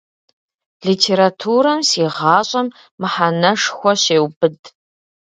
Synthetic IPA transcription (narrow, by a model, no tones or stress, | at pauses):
ɮiːtʰeːɾatʰuːɾɐmsiːʁɑːɕʼɐmː | ɨħanɐʂxʷɔɕeːwbɨdʼ